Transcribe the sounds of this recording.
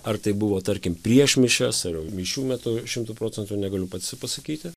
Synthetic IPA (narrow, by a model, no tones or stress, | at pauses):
ɐrt̪ɐɪbʊʋoːt̪ɐɾʲkʲɪmpʲɾʲiɛʃmʲɪʃʲɛsɐrjɛʊmʲɪʃʲuːmʲæt̪ʊʃʲɪmt̪uːpɾoːt͡sʲɛnt̪unʲɛɡɐlʲʊpɐt̪sʲɪpɐsɐkʲiːt̪ʲɪ